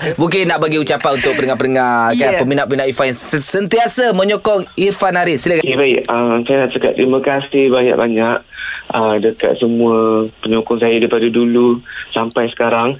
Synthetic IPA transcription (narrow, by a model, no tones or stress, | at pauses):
buŋk̬ɪnːaʔbaɡiut͡ʃapanunt̪ʊk̚pənəŋapənəŋakapəminaʔpəminaʔifanasənt̪iasamə̃ɲɔkɔŋifanaɾɪsilakkebaɪʔəmsajanaʔt͡ʃaka̰t̪ɾimakasibaɲa̰ʔ̚baɲaʔʔəmdəka̰t̪̚səmuapəɲɔkɔŋsajadaipadadulusampajsə̥kaɾaŋ